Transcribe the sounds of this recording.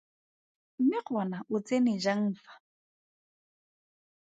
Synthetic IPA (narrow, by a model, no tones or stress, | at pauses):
m̩mɪq͡χʰɔnaʔʊt͡sʼenɪd͡ʒaŋ̩ːfḁ